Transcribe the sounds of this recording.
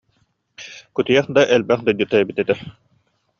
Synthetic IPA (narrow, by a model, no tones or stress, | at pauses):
kut̪ijɛχd̪aʔɛlbɛχd̪ajd̪ɯt̪ɛjɛbit̪ɛt̪ɛ